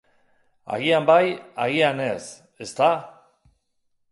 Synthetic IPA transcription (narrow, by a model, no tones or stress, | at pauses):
a̰ɣiambajaɣianes | est̪a